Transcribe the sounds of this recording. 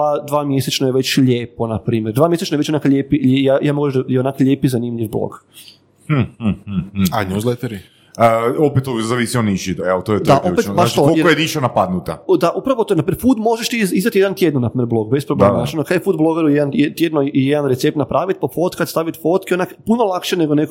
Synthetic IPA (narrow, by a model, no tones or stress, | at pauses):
ad̪ʋaːmjeset͡ʃnojeʋe̞t͡ɕʎeːponapɾiːmjeɾd̪ʋaːmjeset͡ʃnojet͡ɕonaːkaʎeːpiejajaːmoɡaʒd̪ajeonakʎeːpizanimʎʲiʋblo̰k̩ | h̩ | a̰ɲuzlˠet̪eɾi | əopet̪ozaʋisioniʃid̪eot̪ojed̪aʔopetpaaʃt͡ʃ̪oolojeniʃanapad̪nut̪ad̪aʔupɾaʋot̪onapifud̪mo̞ʒeʃt̪izizat̪jed̪ant̪jed̪nonapɾiːmʲjeɾblˠo̞ɡbespɾobleanat͡ʃonokad̪jefuːd̪blˠo̞ɡeɾujed̪anjet̪jed̪noijed̪anɾet̪sep̚t̪napɾaːʋit̪̚pofot̪kat̪st̪aʋit̪fot̪kionakpunolˠakʃeneɡonek